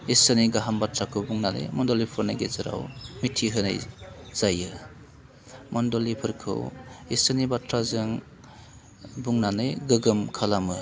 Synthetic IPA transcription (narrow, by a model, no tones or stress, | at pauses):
isɯniɡaɦambatɾakʰɯbuŋnanɯ̰jmɔndɔlipʰɯɾnajɡezɯɾa̰wmitʰiɦɯnajz̥ajɯ | mɔndɔlipʰɯɾkʰɯ̰wisɯnibatɾazɯŋ | buŋnanɯjɡɯɡɯmkʰalamɯ